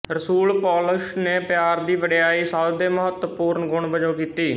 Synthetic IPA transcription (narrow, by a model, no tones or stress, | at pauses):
ɾəsuːlpɔːlʊʃneːpjaːɾd̪iːʋəɽejaːiːsaːld̪eːməɦət̪əpuːɾɳɡʊɳbəd͡ʒoːkiːt̪iː